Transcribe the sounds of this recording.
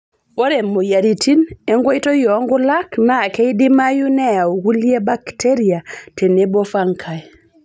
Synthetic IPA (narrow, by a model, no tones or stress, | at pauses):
ɓɔɾɛmːɔjaɾitinɛŋɡojtɔjɔŋɡɔlaknakejdimajunɛawwulijɛbakteɾiatɛnɛbɔfaŋkʰaj